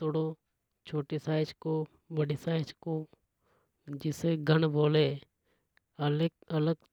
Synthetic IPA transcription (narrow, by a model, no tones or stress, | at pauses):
t̪oɽo | t͡ʃʰoːʈesaːɪt͡ʃkoː | bəɽisaːɪt͡ʃko | d͡ʒɪseɡʱənboːleː | əlɡələɡ